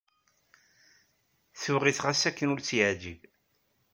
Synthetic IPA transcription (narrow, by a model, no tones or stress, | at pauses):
θʊʁiθʁasækːənʊɾt͡sːjəʕd͡ʒib